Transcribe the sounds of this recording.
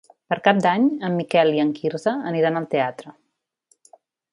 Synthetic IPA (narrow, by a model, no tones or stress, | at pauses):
pəɾkap̚d̪aɲəmːikɛliəŋkiɾzəəniɾanəlˠt̪eat̪ɾə